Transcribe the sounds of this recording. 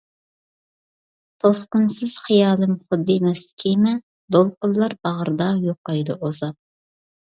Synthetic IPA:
t̪ʰosqʊnsɨz̥χijɑːlˠɨmχʊd̪ːɨmɛslɪ̥kʲʰimɛ | d̪olˠqʊlːˠɑɾbɑʁəɾd̪ɑjoqːɑjd̪ɨʔozɑp̪̚

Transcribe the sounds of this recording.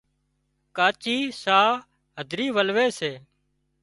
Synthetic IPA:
kaːt͡ʃiːsaː | ɦəd̪ʱɾiːʋəlʋeːseː

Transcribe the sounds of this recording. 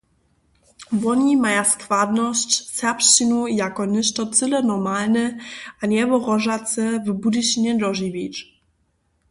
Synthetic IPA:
vɔɲimajaskvad̪nɔɕt͡ɕsɛpɕinujakɔnɘʂtɔt̪t͡s̪ɨlɛnɔmalnɛaɲɛvɔʁɔʐat̪sɛvbud̪ɨɕiɲɛd̪ɾɔʒivʲit͡ʂ

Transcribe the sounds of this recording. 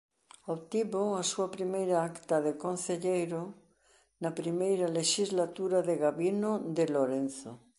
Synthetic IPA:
oβt̪iβoasuapɾimejɾaakt̪aðekonθeʎejɾo | napɾimejɾaleʃizlat̪uɾaðeɣaβinod̪eloɾenθo̰

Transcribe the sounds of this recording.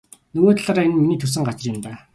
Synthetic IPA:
nɵɣoːt̪ɮaːɾaːenminiːt̪ʰɵs̬ɘ̆ŋɢat͡ɕɪ̆rɪ̆mt̪aː

